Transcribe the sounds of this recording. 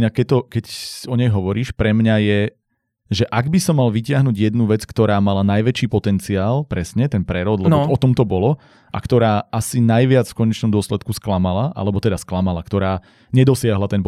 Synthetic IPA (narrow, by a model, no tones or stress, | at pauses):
ɲakɛt̪ɔkɛcsɔɲɛjɦɔʋɔɾiːʃpɾɛmɲajɛ | ʒɛʔaɡbisɔmːalʋicɪaɦnuɟjɛd̪nuʋɛt͡skt̪ɔɾaːmalanajʋɛt͡ʃiːpɔt̪ɛnt͡siaːlpɾɛsɲɛt̪ɛnpɾɛɾɔd̪lɛbɔt̪ɔmt̪ɔbɔlɔ | ʔa̰kt̪ɔɾaːasinajʋɪat͡sfkɔɲɛt͡ʃnɔmd̪ʊɔslɛt̪kusklamalaʔa̰lɛbɔt̪ɛd̪asklamalakt̪ɔɾaː | ɲɛd̪ɔsɪaɦlat̪ɛnp